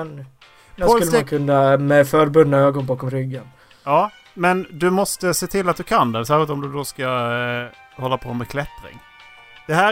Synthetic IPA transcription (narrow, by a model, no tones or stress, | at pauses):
n | skɵkʰɵnːamɛfœːɾbɵd̪naøːɡɔnbɑːkɔmɾʏɡːan | ɑː | mɛnd̪ɵmɔst̪əseːt̪ʰɪlːat̪̚d̪ɵkʰand̪ɛsæːɾʂɪlt̪ɔmd̪ɵd̪oska | hɔlːapʰoːmɛkʰlɛt̪ɾɪ̰ŋ | d̪̥ɛɦæː